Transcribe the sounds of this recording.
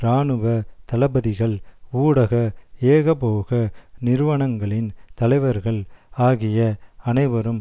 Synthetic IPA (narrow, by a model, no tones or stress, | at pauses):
ɾaːnɯʋɐt̪ɐlɐbɐðɪɣɐɭuːɽɐɣɐeːɣɐpoːɣɐnɪɾɯʋɐɳɐŋɡɐɭɪnt̪ɐlɐɪʋɐɾɣɐɭaːɣɪjɐɐnɐɪʋɐɾɯm